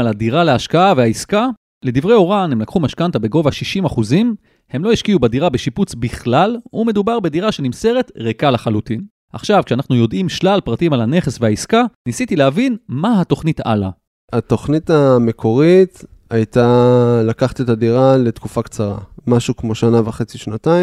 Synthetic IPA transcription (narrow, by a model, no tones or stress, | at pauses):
aladiʁaleaʃkaavehaiska | le̞divʁe̞jo̞ʁanhemlakχumaʃkantabe̞ɡo̞vaʃiʃimaχuzim | he̞mlo̞iʃkiubadiʁabeʃiput͡sbiχlalume̞dubaʁbediʁaʃe̞nimse̞ʁe̞tʁekalaχalutin | ʔa̰χʃavkʃeanaχnujo̞dimʃlalpʁatimalane̞χesvehaiskanisitilehavinmahato̞χnita̰la̰ | at̪o̞χnitame̞kʰo̞ʁit̪ajtalakaχt̪et̪adiʁale̞tkufakt͡saʁamaʃukmo̞ʃanavaχet͡siʃnataim